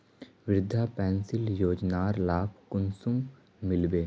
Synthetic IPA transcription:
ʋɾɪd̪ʱapɛ̃ːnsɪljoːd͡ʒnaːɾlaːpkʊnsʊm | mɪlbeː

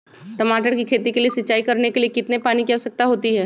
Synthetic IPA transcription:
ʈɐmaːʈ̬əɾkikʰeːt̪ikeliesɪtːt͡ʃːʃaːikɐɾnekeliekɪt̪nepaːnikɛɦosɐk̚t̪aɦoːt̪iɦɛː

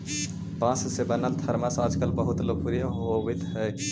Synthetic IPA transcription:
bãssebənəlt̪ʰəɾmasəd͡ʒkəlbəɦut̪lok̚puɾjəɦoʋəjt̪ɦəj

